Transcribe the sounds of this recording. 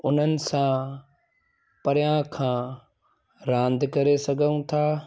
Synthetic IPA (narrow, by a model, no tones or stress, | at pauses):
ʊn̤ənɪ̆sã | pɐɾjãkʰãː | ɾãːnd̪ʱkɐɾesɐɡʱəũt̪ʰaː